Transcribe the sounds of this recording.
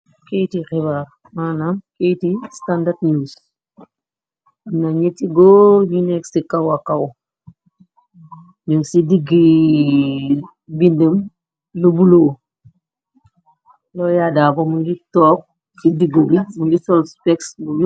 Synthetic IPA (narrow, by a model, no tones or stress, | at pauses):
kejtiɾibaɾ | manamkejtistandadɲus | naɲetiɡoɲunɛksikɐwakɐw | ɲuŋsidiɡi | bindəm | lubuloː | lɔjadabomuɟitɔːk̚ | sidiɡbimuɟisɔlspɛksbuju